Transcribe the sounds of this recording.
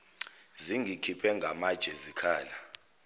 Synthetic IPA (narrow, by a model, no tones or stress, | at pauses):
ziŋɡʱikʰipʰɛŋɡʱamad̥ʒ̥ʱɛzikʰaːla